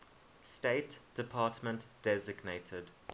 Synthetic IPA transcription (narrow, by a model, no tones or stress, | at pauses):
steɪtd̥ɪpʰɑːˑtmə̃ntd̥ɛzɪɡnetʰəd